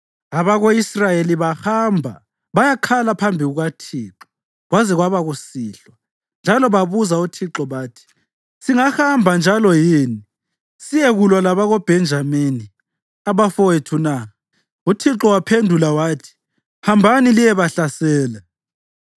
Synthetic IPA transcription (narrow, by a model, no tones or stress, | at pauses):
aβaɣoisrajeliβahambʱa̰ | βajakʰalapʰambʱiɣuɣatʰiːǁɔ̥ | ɣwazɛɣwaβaɣusiːɬwa | nd͡ʒʱalɔβaβuzautʰiǁɔβaːtʰi̥ | siŋahambʱand͡ʒʱalɔjiːni | sijɛɣulwalaβaɣob̥ʱɛnd͡ʒʱamini | aβafɔwetʰunaɣa | utʰiǁɔwapʰendʱulawaːtʰi̥ | hambʱanilijɛβaɬasɛːlɛ